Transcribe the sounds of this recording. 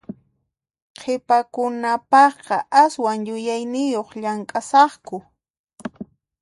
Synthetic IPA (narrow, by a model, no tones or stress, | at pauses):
qʰepakʊnapɑχqɑʔaswaŋjʊjajnɪjoχʎaŋkʼasɑχkʊ